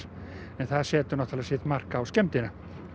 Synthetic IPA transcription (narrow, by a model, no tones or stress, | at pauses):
ɛnθaðsɛːt̪ʏnɔht̪alasit̪mar̥kaːwskɛmt̪ɪna